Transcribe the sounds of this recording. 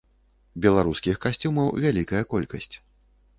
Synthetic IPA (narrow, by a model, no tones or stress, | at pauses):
bʲɛlˠaɾuskʲixkasʲt͡sʲumɐwvʲalʲikɐjɐkɔlʲkɐsʲt͡sʲ